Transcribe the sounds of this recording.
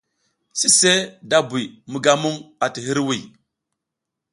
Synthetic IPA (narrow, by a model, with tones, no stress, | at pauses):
si˦se˦da˦bu˨jmu˨ɡa˦mu˦ŋa˨ti˨ɦi˦ɾwi˨